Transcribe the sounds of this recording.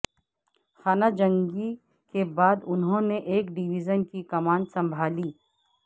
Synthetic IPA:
xaːnad͡ʒɐ̃ŋɡi | kebaːd̪ʊnɦõneʔeːkɖiʋid͡ʒənkikɐmaːnsɐ̃mbʱaːliː

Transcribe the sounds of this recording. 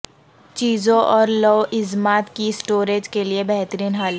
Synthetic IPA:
t͡ʃiːzõʔɔːɾlɔːʔɪzmaːt̪kisʈoːɾeːd͡ʒkeliebɛɦt̪əɾiːnɦaːl

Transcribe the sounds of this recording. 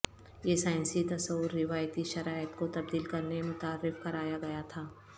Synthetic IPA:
jesaːɪ̃nsit̪ɐsɐwːʊɾːɪʋaːjt̪iʃɐɾaːjət̪kot̪ɐb̚d̪iːlkɐɾnemʊt̪aːɾːɪfkɐɾaːjaɡɐjat̪ʰaː

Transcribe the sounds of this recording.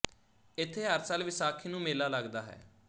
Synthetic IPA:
ɪt̪ʰːeːɦəɾsaːlʋɪsaːkʰiːnũːmɪːlaːləɡd̪aːɦɛ̰ː

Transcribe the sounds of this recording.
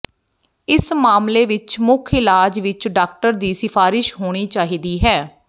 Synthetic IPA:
ɪsmaːmleːʋɪt͡ʃmʊkʰɪlaːd͡ʒʋɪt͡ʃɖaːk̚ʈəɾd̪iːsɪfʰaːɾɪʃɦoːɽ̃iːt͡ʃaːɦiːd̪iːɦɛː

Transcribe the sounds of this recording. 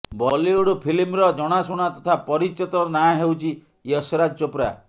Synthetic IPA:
bɔliuɽupʰilimɾɔd͡ʒɔɽ̃asuɽ̃at̪ɔt̪ʰapɔɾit͡ʃɔt̪ɔɾnaãɦewt͡ʃʰi | ɔsɔɾad͡ʒt͡ʃopɾa̰

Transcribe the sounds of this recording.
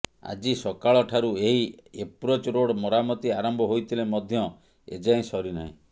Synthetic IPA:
a̰d͡ʒisɔkaɭɔʈʰaɾueɦiepɾot͡ʃɾoɽmɔɾamɔt̪iaɾɔmbʱɔɦojt̪ʰilemɔd̪ʱjɔ | ḛd͡ʒaĩsɔɾina̰ḭ̃

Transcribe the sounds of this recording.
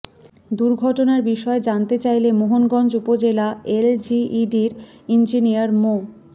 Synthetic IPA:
d̪uɾɡʱɔʈonaɾbiʃɔed͡ʑant̪et͡ɕajlemoɦonɡɔnd͡ʑupod͡ʑelaeld͡ʑiiɖiɾind͡ʑinijaɾmo

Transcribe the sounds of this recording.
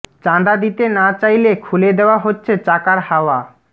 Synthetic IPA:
t͡ɕand̪ad̪it̪enat͡ɕajlekʰuled̪eoaɦotːɕʰet͡ɕakaɾhaoa

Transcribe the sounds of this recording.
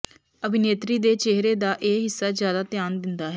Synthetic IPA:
əbʱɪneːt̪ɾiːd̪eːt͡ʃeɦɾeːd̪aːʔeːɦɪsːaːzjaːd̪aːt̪jaːnd̪ɪnd̪aːɦɛː

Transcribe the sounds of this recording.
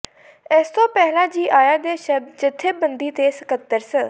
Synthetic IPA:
ɪst̪oːpɛɦlãːd͡ʒiːʔaːjaːd̪eːʃəb̚d̪t͡ʃɪt̪ʰːeːbənd̪iːt̪eːsəkət̪ːəɾsə

